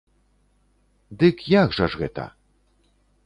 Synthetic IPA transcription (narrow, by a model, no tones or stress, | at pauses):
d̪ɨkjaɣʐaʐɣɛt̪ɐ̰